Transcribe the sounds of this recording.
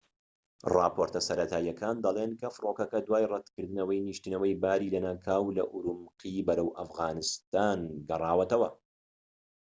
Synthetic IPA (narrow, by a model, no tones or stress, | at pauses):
rɑːpʰoɾt̪ɐsɐɾɐt̪ʰaːjɐkʰaːnd̪ɐlˠenkʰɐfɨɾoːkɐkɐd̪waːjrɛd̪kɨɾd̪ɨnɐwɐjniʃt̪ɨnɐwɐjbaːɾiːlɐnaːkʰaːwlɐʔuɾumqʰibɐɾɐwʔɐfɣaːnɨst̪aːnɡɐrˤɑːwɐt̪ɐwɐ